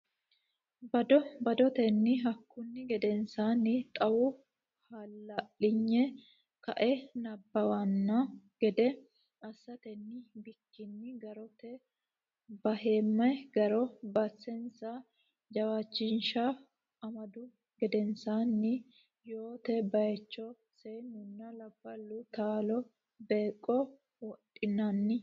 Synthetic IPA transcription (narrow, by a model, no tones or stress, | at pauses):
bɐd̪ɔbɐd̪ɔt̪ɛnːɪɦɐkːʊnːɪɡɛd̪ɛnsaːnːɪt̪ʼɐwʊ | halːɐʔːɪɲːɛ | kɐʔɛnɐbːɐwɐnːɐɡ̥ɛd̪ɛ | ɐsːɐt̪ɛnːɪbɪkːɪnːɪɡɐɾɔt̪ɛ | bɐɦeːmːɐjɡɐɾɔbɐsɛnsa | d͡ʒɐwat͡ʃːɪnʃa | ɐmɐd̪ʊ | ɡɛd̪ɛnsanːɪ | jo̞ːt̪ɛbɐjɛt͡ʃːɔ | sejnʊnːɐlɐbːɐlːʊt̪aːlɔ | beːkʼːɔ | wɔtʼːɪnːanːɪ